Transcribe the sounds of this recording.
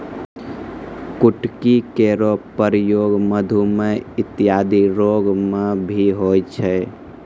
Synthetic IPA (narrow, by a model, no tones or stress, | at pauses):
kuʈkikeɾopəɾjoɡməd̪ʱumeɪt̪ːijad̪iɾoɡmebʱiɦojt͡ʃʰɛ